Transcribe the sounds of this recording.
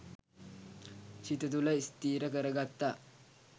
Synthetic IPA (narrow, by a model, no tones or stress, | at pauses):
t͡ʃɪt̪ɐt̪ulɐjɪst̪iːɾɐkɐɾɐɡɐt̪ːaː